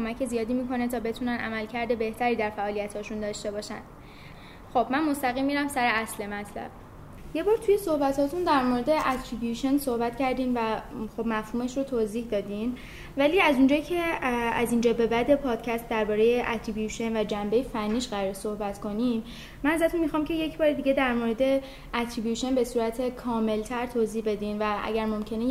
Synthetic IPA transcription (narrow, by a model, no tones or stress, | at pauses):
omæcʰezijɒːd̪iːmiːko̞net̪ʰɒːbe̞t̪ʰunænʔæ̰mælcʰæɾd̪e̞be̞ht̪ʰæɾiːd̪æɾfæʔɒːlijæt̪ʰhɒːʃund̪ɒːʃt̪e̞bɒːʃæ̰nd̪̥ | xo̞bmænmo̞st̪æɣiːmːiːɾæmsæɾeæsle̞mæt̪ʰlæ̰b̥ | je̞bɒːɾt̪ʰuje̞so̞hbæt̪ʰɒːt̪ʰund̪æɾmoɾe̞d̪e̞ʔæt̪ʰɾibjuʃonso̞hbæt̪cæɾd̪iːmvæxo̞bmæfhuːme̞ʃrot̪ʰoːziːhd̪ɒːd̪im | væliːæzund͡ʒɒːcʰe̞æ̰zind͡ʒɒːbe̞bæd̪e̞pʰɒːd̪̥cʰæst̪̚d̪æɾbɒːɾe̞jeʔæt̪ʰɾibjuʃe̞nvæd͡ʒæmbe̞jefænːiːʃɢæɾɒːɾeso̞hbæt̪ko̞nimː | ænæzæt̪ʰunmixɒːmcʰe̞je̞cʰbɒːɾed̪iːɟe̞d̪æɾmoɾe̞d̪e̞ | æt̪ʰɾibjuʃo̞nbe̞suːɾæt̪ʰe̞kʰɒːme̞lt̪ʰæɾt̪ʰoːziːhbe̞d̪iːnvæʔæ̰ɟæɾmo̞mcʰe̞ne